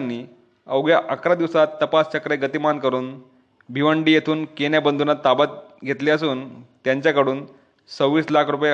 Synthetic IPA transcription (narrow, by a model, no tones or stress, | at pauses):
nːiː | əʋɡɭjaʔəkɾad̪iʋsat̪ːəpast͡ɕəkɾeɡət̪imankəɾuːn | bʱiʋəɳɖiːjet̪ʰuːnkenjabənd̪ʱunat̪abat̪̚ɡʱet̪liəsuːnt̪jaɲt͡ɕjakəɽuːn | t͡səwʋiːslakʰɾupj